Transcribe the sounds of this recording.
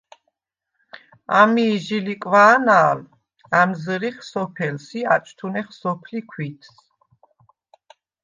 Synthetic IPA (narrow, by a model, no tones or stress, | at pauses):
a̰miːʒilikʼvaːnaːl | amzɾiχsɔpʰɛlsiat͡ʃʼt̪ʰunɛχsɔpʰlikʰwit̪ʰs